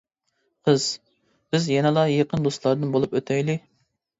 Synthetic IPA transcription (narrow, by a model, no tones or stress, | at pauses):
qʰəz̥ | b̥ɪzjɛnɨlˠɑjeqənd̪ost̪lˠɑɾd̪ɨnbolˠupøt̪ʰɛjlɪ